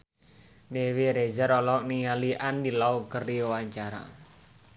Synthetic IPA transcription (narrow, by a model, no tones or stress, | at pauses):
newiɾed͡ʒaɾɔlɔk̚niŋaliʔandilaukəriwaɲt͡ʃaɾa̰